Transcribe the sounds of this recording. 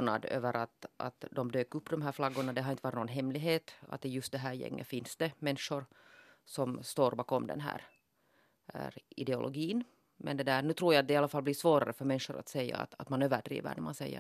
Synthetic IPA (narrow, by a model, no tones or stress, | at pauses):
nɑ̰d̪ø̰ːvəɾʔat̪ʔa̰t̪d̪ɔmd̪øːkɵpːd̪ɔmɦæːɾflaɡːʊɳad̪ɛɦaɾɪnt̪əʋɑɾt̪noɡnɦɛmːlɪɡɦeːt̪a̰t̪ːɪjɵst̪̚d̪ɛɦæːɾjɛ̰ŋːʔə̰fɪnsd̪̥ɛmɛnʂʊɾsɔmst̪oːɾbɑːkɔmd̪ɛ̰nɦæ̰ːɾ | ɾɪd̪ɛʊ̰lʔɔ̰ɡiːn | mɛnd̪ɛd̪ænʉt̪ʰɾuːjaːt̪̚d̪ɛɪɑlːafalːbliːʂvoːɾaɾəfœɾmɛnʂʊɾa̰t̪sɛjːa̰ːt̪at̪manøːvəɖɾḭːvə̰ɳæmansɛjːə̰